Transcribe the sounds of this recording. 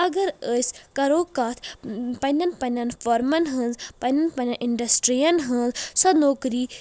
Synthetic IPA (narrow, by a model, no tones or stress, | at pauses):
ɐɡɐɾəsʲkɐɾoːkat̪ʰpɐnʲɐnpɐnʲɐnfoɾmɐnɦɨnzpɐnɐnpɐnʲɐnʔiɳɖɐsʈɾijɐnɦɨnzsɐnoːkɾiː